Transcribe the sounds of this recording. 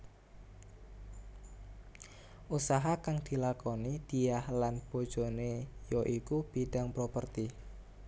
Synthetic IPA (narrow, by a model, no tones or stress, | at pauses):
ʔusaɦakaŋd̪̥ilakonid̪̥iahlanb̥o̤d̥d͡ʒ̥o̤nejoʔikub̥iɖaŋpɾopərt̪i